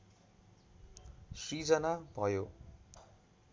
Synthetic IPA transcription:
srid͡zʌnabʱʌjo

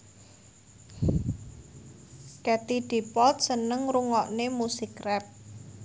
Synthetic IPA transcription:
kɛt̪id̥i̤pɔlt̪̚sənəŋɾuŋɔʔnemusikrɛp̚

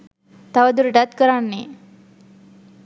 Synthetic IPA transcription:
t̪aʋəd̪uɾɖat̪̚kəɾanːe

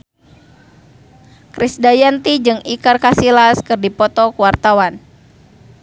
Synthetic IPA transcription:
kɾisdajant̪id͡ʒɨŋikarkasilaskɨrdipɔt̪ɔkuwart̪awan

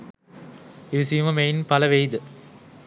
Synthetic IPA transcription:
eʋisijmɐmejnpɐlɐʋejd̪ɨ

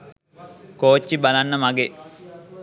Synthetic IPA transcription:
koːt͡ʃːibalanːəmaɡe

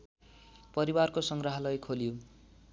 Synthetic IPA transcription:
pʌɾiwarkosʌŋɡrʌɦʌlʌjkʰoljo

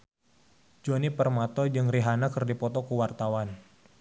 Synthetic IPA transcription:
d͡ʒɔnipərmat̪ɔd͡ʒɨŋriɦanakɨrdipɔt̪ɔkuwart̪awan

